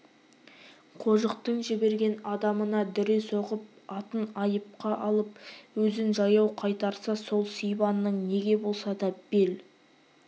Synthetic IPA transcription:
qʰo̞ʒəqt̪əɴʒɪbe̞ɾɡʲe̞nɑd̪ɑmənɑd̪ʏɾeso̞ʁəp̚ɑt̪ənɑjəp̚qɑʔɑlˠəp̚wɵzɪnʒɑjɑwqʰɑjt̪ɑɾsɑso̞lˠsijbɑnːəɴne̞ɡʲe̞bo̞lˠsɑd̪ɑb̥e̞l

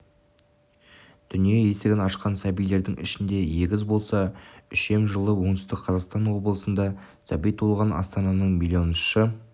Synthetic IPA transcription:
d̪̥ʏnije̞je̞seɡʲɪnɑʃqɑnsæbijle̞ɾd̪ɪŋɪ̰ʃɪnd̪e̞je̞ɡʲɪzbo̞lˠsɑʏʃe̞mʒəlˠəwo̞ŋd̪ʏst̪ɪkqʰɑzɑqst̪ɑnwo̞bəlˠəsənd̪ɑ | sæbijt̪ʰolˠʁɑnɑ̰st̪ɑnɑnəɴmilʲˠio̞nʃə

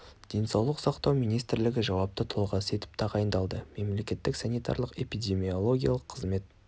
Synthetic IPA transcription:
d̪̥e̞nsɑwlˠəqsɑqt̪ɑwmijnijst̪ɪɾlɪɡʲɪʒɑwɑp̚t̪ət̪ʰolˠʁɑse̞t̪ɪ̥p̚t̪ʰɑʁɑjənd̪ɑlˠd̪əme̞mle̞kʲe̞t̪ːɪksanijt̪ɑ̰ɾlˠəqe̞pid̪ʲe̞mio̞lˠo̞ɡʲijalˠəqʰːəzme̞t̪̚

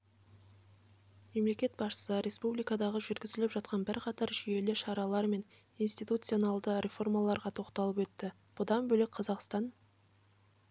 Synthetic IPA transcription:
me̞mle̞kʲe̞t̪̚bɑʃə̥səɾʲe̞spublijkɑd̪ɑʁəʒʏɾɡʲɪzɪlɪpʒɑt̪̚qɑnbɪɾqʰɑt̪ɑɾʒije̞lɪʃɑɾɑlˠɑɾme̞n | ijnst̪ijt̪ut̪sɨo̞nɑlˠd̪əɾʲe̞fo̞rmɑlˠɑɾʁɑt̪ʰo̞qt̪ɑlˠəpwɵt̪ːɪ | b̥ʊd̪ɑnbɵlɪk̚ʲqʰɑzɑqst̪ɑn

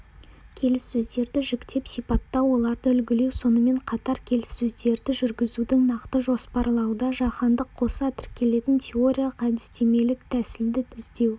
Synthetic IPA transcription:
kʲʰe̞lɪsːɵzd̪e̞ɾd̪ɪʒɪkt̪e̞psijpɑt̪ːɑwo̞lˠɑɾd̪əʏlɡʲɪle̞wso̞nəme̞ɴqʰɑt̪ɑɾkʲʰe̞lɪsːɵzd̪e̞ɾd̪ɪʒʏɾɡʲɪzud̪ɪŋnɑqt̪əʒo̞spɑɾlˠɑwd̪ɑʒɑχɑnd̪əqʰːo̞sɑt̪ʰɪɾkʲe̞le̞t̪ɪnt̪ʲʰe̞o̞ɾʲijalˠəqæd̪ɪst̪e̞me̞lɪk̚t̪ʰæsɪld̪ɪɪzd̪e̞w

